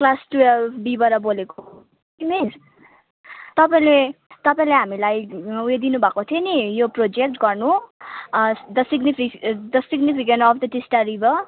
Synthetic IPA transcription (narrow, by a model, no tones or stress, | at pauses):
klasʈubibʌɾʌboleko | imes | t̪ʌpaĩlet̪ʌpaĩleɦamilajujed̪inubʱakot̪ʰionijoprod͡zek̚ʈɡʌrnu | d̪ʌsiɡnipʰid̪ʌsiɡnipʰikeɳʈʌfʰd̪ʌʈisʈaɾibʌ